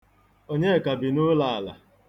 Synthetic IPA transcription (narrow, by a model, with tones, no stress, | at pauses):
o˦ɲe˦˨ka˨bi˨nʊ˦la˦˨a˨la̰˨